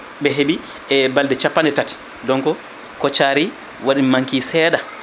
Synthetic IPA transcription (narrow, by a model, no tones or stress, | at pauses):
ɓɛɦeɓi | ʔɛbaldɛt͡ʃapːandɛtati̥ | dɔŋkɔ | kɔt͡ʃaːɾi | waɗimaŋkisɛːɗa